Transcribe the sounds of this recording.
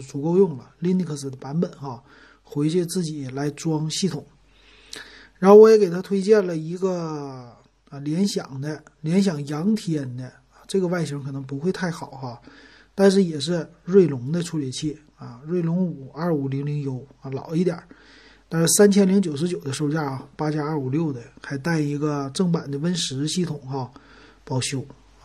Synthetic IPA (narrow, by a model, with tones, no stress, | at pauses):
t͡su˨˩ko˥˧ʊjʊ˥˩ŋlə˩li˥ni˥˩kʰɤ˥˩sɹ̩˨˩d̪ə˦pa˧˥nbə˨˩˦nxa˥˩ | xwe˧˥ɪt͡ɕɛ˥˧t͡sɹ̩˥˩t͡ɕi˨˩˦la˧˥ɪʈ͡ʂwɑ˥ŋɕi˥˩t̪ʰʊ˨˩˦ŋ | ɻa˧˥nxo˥˧˩wɔ˧˥jɛ˧˥ke˨˩ɪt̪ʰa˥t̪ʰwe˥ɪt͡ɕjɛ˥˩nlə˩i˧˥ɡə˥˧ | ljɛ˧˥nɕjɑ̰˨˩ŋd̪ə˦ljɛ˧˥nɕ̬jɑ˨˩ŋjɑ˧˥ŋt̪ʰi˧˥jɛ˨˩nd̪ə˧˩ | ʈ͡ʂɤ˥˩ɡə˩wa˥˩ɪɕi˧˥ŋkʰɤ˨˩nɤ˧˥ŋp̬u˧˥xwe˥˧ɪt̪ʰa˥˩ɪxɑ˨˩˦ʊxa˧ | t̪a˥˧nʂ̬ɻ̩˥˩jɛ˨˩ʂ̬ɻ̩˥˧ɻwe˥˩ɪlʊ˧˥ŋd̪ə˧ʈ͡ʂʰu˥ljɛ˨˧˩t͡ɕʰi˥˩ | ɐ˧˩ɻwe˥˩ɪlʊ˧˥ŋu˨˩ɐ˥˩u˨˩li˧˥ŋli˧˥ŋjo˧˥˦ʊ˧lɑ̰˨˩˦ʊi˥˩t̪jɐ̰˨˩˦ | t̪a˥˧nʂɻ̩˥˩sa˥nt͡ɕʰjɛ˥nli˧˥ŋt͡ɕjo˨˩ʊʂɻ̩˧˥t͡ɕjo˨˩ʊd̪ə˦ʂo˥˧ʊt͡ɕja˥˩pa˥t͡ɕja˥ɐ˥˩u˨˩ljo˥˩ʊd̪ə˦xa˧˥ɪt̪a˥˩ɪi˧˥ɡə˧ʈ͡ʂɤ˥˩ŋpa˨˩nd̪ə˦wə˥nʂɻ̩˧˥ɕi˥˩t̪ʰʊ˨˩˦ŋxa˧˩ | pɑ˥˩ʊɕjo˧˥ʊ